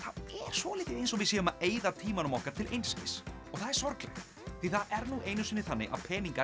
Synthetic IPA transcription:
θaðɛɾ̥svɔlɪːt̪ɪejnsɔɣvɪsjɛːðʏmaðeːjðat̪ʰiːmanʏmɔhkaɾt̪ʰɪlʔḛjnscɪs | ɔɣθaðɛɾ̥sɔɾklɛ̰ɣ | θviθaðɛɾnuːʔeːjnʏsɪnːɪθanːɪ̰ʔa̰ðpʰɛːniŋka

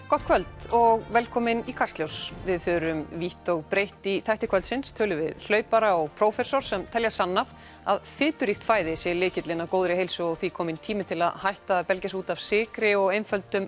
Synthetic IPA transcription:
kɔht̪kʰvœlt̪ɔɣvɛlkʰɔːmɪnikʰast̪ljowsvɪðfʏːɾʏmviht̪ɔɣpɾejht̪iθajht̪ɪkʰœlt̪sɪnst̪ʰœːlʏvɪ̰ðl̥œːɥpaɾaɔɣpʰɾowfɛsoɾ̥sɛmt̪ʰɛljasanːav | a̰ðfɪːt̪ʏɾixt̪faːjðɪsjɛlɪːcɪt̪lɪnakoːwðɾɪɦejlsʏɔθvikʰɔːmɪnt̪ʰiːmɪt̪ʰɪla̰ðhajht̪apɛlcasuːt̪av̥sɪːkɾɪɔɣejnfœlt̪ʏm

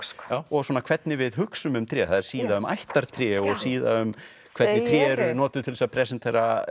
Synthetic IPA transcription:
ɔswɔːnakʰvɛt̪nɪvɪðɦʏksʏmʏmt̪ʰɾjɛːθaðɛɾ̥siːðaʏma̰jht̪aɾ̥t̪ʰɾjɛːɔɣsiːða̰ʏm | kʰvɛt̪nɪt̪ʰɾjɛːɾnɔːt̪ʏt̪ʰɪlɛsapʰɾɛsɛnt̪ʰɛːɾa

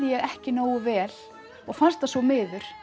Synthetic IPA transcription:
ɪjɛɣɛhcɪnoːwʏvɛːl̥ | ɔɣfanst̪asɔmɪːðʏɾ̥

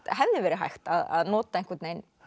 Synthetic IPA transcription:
ɦɛvðɪvɛɾɪɦa̰jxt̪aða̰ðnɔːt̪aejŋkvɛt̪nejn

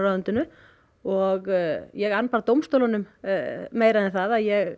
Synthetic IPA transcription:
raðʏnt̪ʏnʏ | ɔɣjɛɣanːpaɾt̪owmst̪owlanʏmmeːjɾaðɪnθaðaðjɛɣ

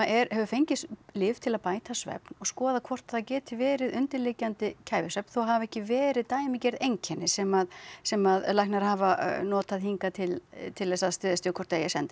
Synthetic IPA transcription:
ɛɾhɛvʏfejɲcɪslɪːft̪ʰɪlaðpaːjt̪ʰasvɛ̰pnɔɣskɔːðakʰvɔr̥t̪aðacɛːt̪ʰɪvɛːɾɪðʏnt̪ɪɾlɪcːant̪ɪcʰaːjvɪsvɛpn̥θowɦavɛhcɪvɛːɾɪðt̪aːjɪmɪcɛɾðejɲcʰɛnːɪsɛmaðsɛmaðlajhknaɾ̥haːvanɔːt̪aðhiŋkat̪ʰɪlt̪ʰɪlːɛsaðst̪ʏːðast̪jʏkʰɔr̥ɾt̪ːejasɛ̰nt̪ɪ

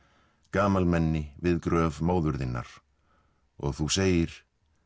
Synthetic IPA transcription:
kaːmalmɛnːɪvɪðkɾœːvmoːwðʏɾðɪnːa̰ɾ̥ | ɔɣθuseːjɪɾ̥

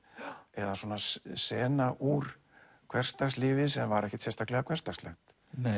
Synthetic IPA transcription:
ɛðaswɔːnasɛːnaʔuɾ̥ | kʰvɛr̥st̪aslɪːvɪsɛmvaɾɛhcɛt̪sɛst̪aklɛɣakʰvɛrst̪aslɛxt̪

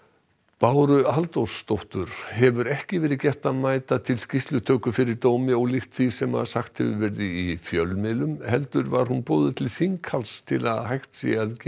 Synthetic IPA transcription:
paːwɾʏalt̪owsːt̪ɔht̪ʏɾ̥hɛvʏɾɛhcɪvɛːɾɪðcɛht̪aðmaːjt̪at̪ʰɪlscist̪lʏt̪ʰœːkʏfɪɾɪɾt̪oːwmɪɔɣlɪxt̪θisɛma̰ðsaxt̪hɛvʏ̰vɛɾðɪifjœlmɪːlʏmhɛlt̪ʏɾvaɾ̥hunpɔːwðʏt̪ʰlɪθiŋkhalst̪ʰɪla̰ðhajht̪sḭað

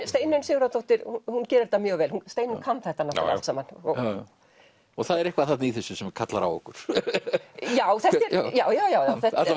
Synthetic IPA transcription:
st̪eːjnʏnsɪːɣɾat̪owht̪ɪɾuhuncɛːɾɪɾt̪ːamjœːɣvɛːlhunst̪eːjnʏnkʰanθɛht̪anaha̰a̰lsamanɔ | ɔɣθaðɛɾɛhkvaðθat̪niθɛsːʏsɛmkʰat̪la̰ɾa̰wɔ̰hkʏɾ̥ | jaːwθɛht̪ɛɾjaːwjaːwjaːwjawθɛhtat̪la

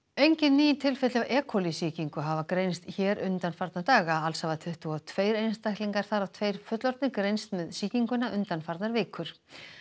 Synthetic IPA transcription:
ejɲcɪnːiːjɪnt̪ʰɪlfɛt̪lavɛːkʰɔlisiːciŋkʏɦavakɾejnst̪çɛːɾʏnt̪anfaɾt̪naɾt̪aːɣaalshavat̪ʰʏht̪uawt̪ʰveːjɾejnst̪ajhk̪liŋkaɾ̥θaɾawt̪ʰveːjɾ̥fʏt̪lɔɾt̪nɪkɾejnst̪mɛðsiːciŋkʏnːaʔʏnt̪anfaɾt̪naɾvɪːkʰʏɾ̥

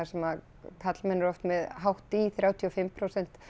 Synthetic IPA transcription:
aɾ̥sɛma | kʰat̪lmɛnːɾɔft̪mɛðɦawht̪iθɾjaːwt̪ʰiɔfɪmːpʰɾowsɛn̥t̪

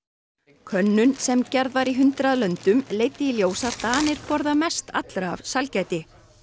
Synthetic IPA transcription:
kʰœnːʏnsɛmcɛɾðvaɾiɦʏnt̪ɾaðlœnt̪ʏmleːjt̪ɪiljoːwsat̪aːnɪɾ̥pɔɾðamɛst̪a̰t̪lɾa̰ːvsalcajt̪ɪ

